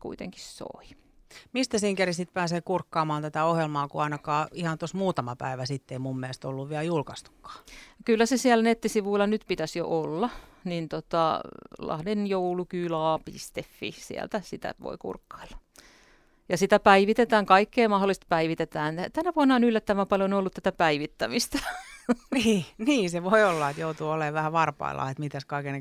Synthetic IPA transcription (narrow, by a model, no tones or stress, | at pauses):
kṵit̪ḛŋki̥sso̰i | mist̪æsiːŋkærisit̪̚pæːseːkurkːɑːmɑːnt̪æt̪æohjelmɑːkuɑinɑkɑːihɑnt̪osmuːt̪ɑmɑpæ̰iʋæsit̪ːeimumːiæest̪olːuʋʋiæljulkɑst̪u̥kːɑ̥ːkylːæsesiælnet̪ːisiʋuilːɑnyt̪pit̪æsjo̰ʔolːɑnint̪ot̪ɑ̰lɑ̰hdenjoulukyːlɑːpḭst̪efːḭsḭæ̰lt̪æsit̪æ̰ʋo̰ikṵrkːɑ̥ilːɑ̥ | jɑsit̪æpæiʋit̪et̪æːŋkɑikːeːmɑholːˑist̪̚pæiʋit̪et̪æːnt̪ænæʋuɑnːɑonylːæt̪ːæʋæpɑljonolːut̪t̪æt̪æpæiʋit̪ːæmist̪æ̥ | niːniːseʋoiolːɑet̪jout̪uːoleʋæhæʋɑrpɑ̰ḭlːɑ̰ːet̪mit̪æskɑikene